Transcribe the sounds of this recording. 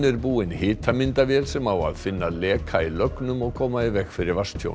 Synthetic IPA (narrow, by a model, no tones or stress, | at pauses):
nɪɾbuːɪnhɪːt̪ʰamɪnt̪avjɛːlsɛmawa̰ðfɪnːalɛːkʰailœknʏmɔɣkʰɔːmaɪvɛxfɪɾɪɾvast̪çjo̰w